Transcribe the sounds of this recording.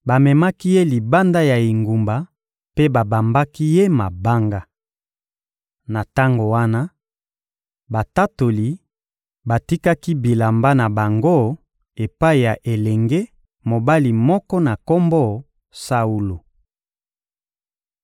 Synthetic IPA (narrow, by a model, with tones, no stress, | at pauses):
ba˨mɛ˨ma˦ki˦je˦li˨ba˦nda˦ja˨i˨ŋɡu˨mba˨ | pe˦ba˨ba˨mba˦ki˦je˦ma˨ba˦ŋɡa˦ | na˨ta˦ŋɡo˨wa˦na˦ | ba˨ta˦to˨li˨ | ba˨ti˦ka˦ki˦bi˨la˨mba˦na˨ba˨ŋɡo˦ | e˨pa˦i˨ja˨ʔe˨lɛ˨ŋɡe˦ | mo˨ba˦li˨mɔ˦kɔ˦na˨ko˦mbɔ˦ | sa˦u˦lo˨